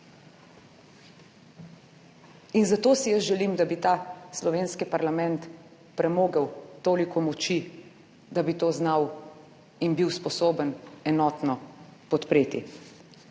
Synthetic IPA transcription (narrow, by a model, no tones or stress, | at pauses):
inzat̪oːsijəsʒɛliːmd̪abit̪aːslɔʋeːnskipaɾlamɛnt̪ | pɾɛmoːɡəwt̪oːlikɔmɔt͡ʃi | d̪abit̪oːznaw | inbiwspɔsoːbənɛnɔːt̪nɔpɔt̪pɾeːt̪ḭ